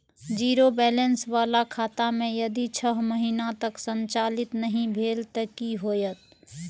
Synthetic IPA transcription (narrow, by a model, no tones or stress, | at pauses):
d͡ʒiːɾobɛːlənsʋaːlakʰaːt̪amẽjɐd̪it͡ʃʰəɦməɦinat̪əksə̃nt͡ʃaːlɪt̪nəɦĩbʱeːlt̪əkiɦoːjət̪̚